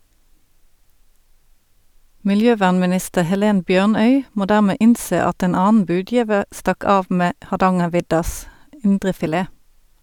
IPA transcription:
mɪlˈjøːˌʋæːʁnmɪˌnɪstəʁ hɛˈleːn ˈbjøːʁˌnœʏ ˈmoː ˈdæːʁmeː ˈʔɪnˌseː ˈɑt ˈeːn ˈɑːnn̩ ˈbʉːˌdjiːʋəʁ ˈstɑk ˈɑːʋ ˈmeː hɑʁˈdɑŋəʁˌʋɪdɑs ˈɪndʁəfɪˌleː

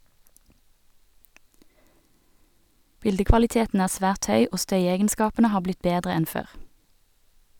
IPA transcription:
ˈbɪldəkʋɑlɪˌteːtn̩ ˈæːʁ ˈsʋæːʁt ˈhœʏ ˈoː ˈstœʏɛɡənˌskɑːpənə ˈhɑː ˈblɪt ˈbeːdʁə ˈɛn ˈføːʁ

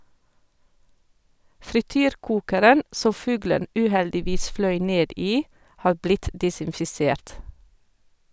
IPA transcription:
fɾɪˈtyːɾˌkuːkəɾən ˈsɔm ˈfʉːɡlən ˈʔʉːˌhɛldɪˌʋiːs ˈflœʏ ˈneːd ˈiː ˈhɑːɾ ˈblɪt ˌdɪsɪnfɪˈseːɾt

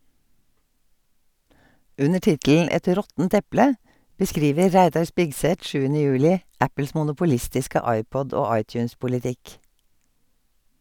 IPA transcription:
ˈʔʉnə ˈʈɪtll̩ ˈɛt ˈɾɔtn̩t ˈɛplə bəˈskɾiːʋə ˈɾæɪdɑɹ ˈspɪɡˌsɛt ˈʃʉːənə ˈjʉːlɪ ˈʔæpəls mʊnʊpʊˈlɪstɪskə ˈɑɪˌpɔd ˈoː ˈɑɪtjʉːnspʊlɪˌtɪk

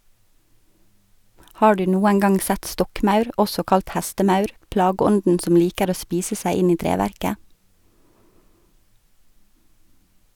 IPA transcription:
ˈhɑː ˈɖʉː ˈnuːæn ˈɡɑŋ ˈsæt ˈstɔkˌmɑʉɾ ˈɔsɔ ˈkɑlt ˈhæstəˌmɑʉɾ ˈplɑːɡəˌɔndn̩ ˈsɔm ˈliːkəɾ ˈoː ˈspiːsə ˈsæɪ ˈɪn ˈiː ˈtɾeːʋæɾkə

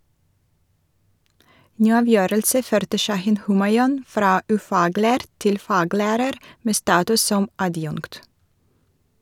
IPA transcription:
ˈnyː ˈɑːˌʋjøːɾəlsə ˈføːɾtə ˈʃɑhɪn ˈhʉːmɑɪɔn ˈfɾɑː ʉˈfɑːˌɡlæːɾ ˈtɪl ˈfɑːˌɡlæːɾəɾ ˈmeː ˈstɑːtʉs ˈsɔm ɑˈdjʊŋkt

